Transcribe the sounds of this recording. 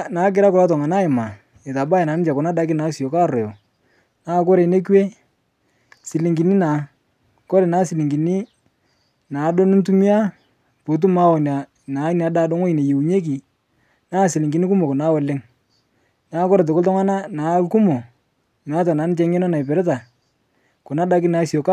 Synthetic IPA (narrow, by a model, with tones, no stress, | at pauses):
na˨˦k̬ɪ˦ɾa˦kʊ˨la˦t̬ɔ˨ŋa˨na˦ɪ˨ma˨ | e˨ta˨ba˦jna˨nɪ˦t͡ʃa˨kʊ˨na˦da˦k̬ɪ˦naː˨˦si˨jo˨ka˦˨ɾɔ˨jɔ˨ | naː˦k̬ɔ˦ɾe˨ne˦kwe˦ | sɪ˨li˨ŋɡi˨ni˦na˨ | kɔ˦ɾe˨naː˨˦sɪ˨li˨ŋɡi˨ni˦ | na˨˦do˦nɪ˦ntu˦mi˦a˦ | po˨t̬u˦ma˦wɔ˨na˨ | na˨˦n˨a˨˦da˦dɔ˦ŋɔ˦i˨ne˨je˨wu˨ɲe˦k̬i˨ | naː˦˨sɪ˨lɪ˨ŋɡɪ˨ni˦k̬u˦mo˨kɔ˨na˦wɛ˨lɪ˦ŋ | naː˦kɔ˦ɾe˨t̬ʊ˨ktɔ˦ŋwa˦na˦naː˨˦lku˦mo˨ | na˨˦t̬a˨naː˨˦nɪ˦t͡ʃɛ˦ŋɛ˦nɔ˦na˨i˨pɛ˨ɾɛ˦t̬a˨ | kʊ˨na˦da˦k̬ɪ˦naː˨˦si˨o˨k